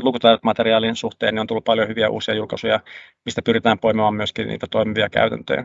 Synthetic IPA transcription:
lukut̪ɑrʋt̪mɑt̪eriɑːlinsuht̪ḛːnːeont̪ulːup̚pɑljohyʋiæṵːsiɑjulkɑsujɑmist̪æpyrit̪æːmpoimemɑːmmyøskinnḭːt̪æt̪oimiʋiɑkæ̰yt̪æ̰nt̪ø̰ː

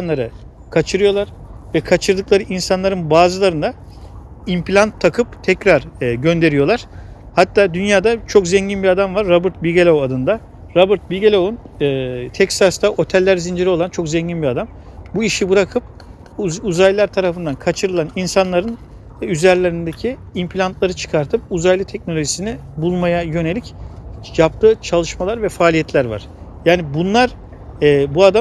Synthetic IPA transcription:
anlˠaɾɯ | kʰat͡ʃʰɯɾɯjo̞lˠaɾ̥vɛkʰat͡ʃʰɯɾd̪ɯklˠaɾɯʔinsanlˠaɾɯnbaːzɯlˠaɾɯnd̪a | impʰlʲant̪ʰːakʰɯp̚t̪ʰɛcɾaɾɟø̞nd̪e̞ɾijo̞lˠaɾ̥ | hat̪ʰːaːd̪ynjaːd̪at͡ʃʰo̞kzɛɲɟinbiad̪amvaɾːabɯɾt̪̚bilʲɟelʲowad̪ɯnd̪a | ɾabɯɾt̪̚bilʲɟelʲounɯːt̪ʰɛcsast̪aʔo̞t̪ʰɛlʲːæɾzind͡ʒiɾio̞lˠant͡ʃʰo̞kzɛɲɟinbiad̪am | buiʃibɯɾakʰɯp̚ | uzajʲilʲˠæɾt̪ʰaɾafɯnd̪ankʰat͡ʃʰɯɾɯlˠaninsanlˠaɾɯn | yzæɾlʲe̞ɾind̪ecʰiːmpʰlʲant̪lˠaɾɯt͡ʃʰɯ̥kʰaɾt̪ʰɯp̚uzajlˠɯt̪ʰɛc̚nolʲoʒisinɪbulˠmajajø̞ne̞lʲicjap̚t̪ʰɯːt͡ʃʰalˠɯʃmalˠaɾvɛfaːlʲijɛt̪ʰlʲæɾva̰ɾ̥ | jaːnibunlˠaɾ | ɛːbuad̪a

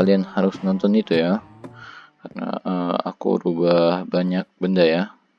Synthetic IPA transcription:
alianhaɾʊsnɔnt̪ɔnit̪uja | karna̰əa̰kṵɾubahbaɲak̚bəndaja

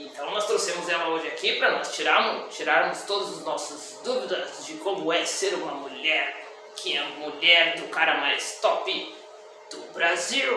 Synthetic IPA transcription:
ẽnt̪ɐ̃w̃nɔst̪ɾosẽmʊzɛlɐoʒɪakipɾɐnɔst͡ʃiɾaɾmʊt͡ʃiɾaɾmʊst̪od̪ʊzʊznɔsʊzd̪uvid̪ɐzd͡ʒɪkõmʊɛseɾũmɐmuʎɛɾ | kʰɪɛɐmuʎɛɾd̪ʊkaɾɐmajst̪ɔpɪ | d̪̥ʊbɾaziw

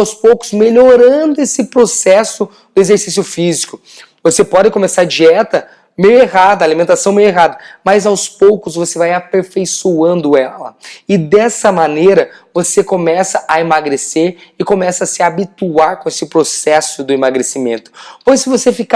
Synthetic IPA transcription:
wspowkʊ̥zmeʎoɾɐ̃d̪ʊesɪpɾosɛsʊ | d̪ʊezeɾsisjʊfizikʊ | vosepɔd͡ʒ̪ɪkõmesaɾd͡ʒiɛt̪ɐ | mejʊeɦad̪ɐaːlimẽnt̪asɐ̃w̃mejʊeɦad̪ɐmɐzawspowkʊsvosevajapeɾfejsuɐ̃nd̪ʊɛlɐ̰ɪd̪ɛsɐmaneɾɐvosekomɛsɐʔaemaɡɾeseɾɪkomɛsɐasɪabit̪uaɾkõesɪpɾosɛsʊd̪ʊimaɡɾesimḛ̃nt̪ʊ̥pojsːɪvosefika

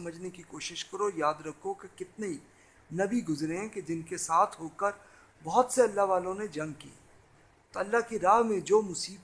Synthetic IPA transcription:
məd͡ʒnekikoːʃɪʃkɐɾojaːd̪ɾɐkʰokekɪt̪nei | nɐbiɡʊzɾeɛ̃ked͡ʒɪnkesaːt̪ʰɦoːkəɾ | bɔɦʊt̪seɐlːaɦʋaːlõned͡ʒɐ̃ŋɡ̚kḭː | t̪oɐlːaɦkiɾaːɦmẽd͡ʒoːmʊsiːb

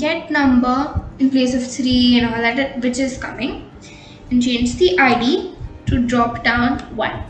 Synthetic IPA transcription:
ɡɛʈnʌ̃mbəɾɪ̃npleːs̬ɔʋt̪ʰɾiːɛ̃nɔld̪æʈʋɪt͡ʃɪzkʌmɪ̃ŋ | ɛ̃nt͡ʃẽːnd͡ʒd̪iʔaɪɖiːʈuɖɾɔːpɖãʊ̃nʋʌ̰̃n

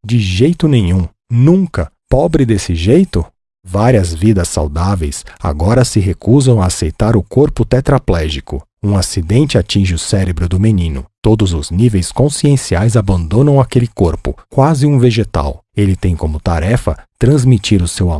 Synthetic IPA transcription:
d͡ʒɪʒejt̪ʊnẽɲ̃ũ | nũŋkɐpɔbɾɪd̪esɪʒejt̪ʊ | vaɾiɐzvid̪ɐsːa̰wd̪avejsa̰ɡɔɾɐsɪɦekuzɐ̃w̃aːsejt̪aɾʊkoɾpʊt̪ɛt̪ɾaplɛʒikʊ̰ | ũasid̪ẽnt͡ʃɪat͡ʃĩʒɪʊsɛɾebɾʊd̪ʊmenĩnʊ̰t̪od̪ʊzʊznivejskõsiẽsiajzabɐ̃nd̪õnɐ̃w̃akelɪkoɾpʊ̰kwazɪũveʒet̪a̰welɪt̪ẽj̃kõmʊt̪aɾɛfɐ̰t̪ɾɐ̃zmit͡ʃiɾʊsewa

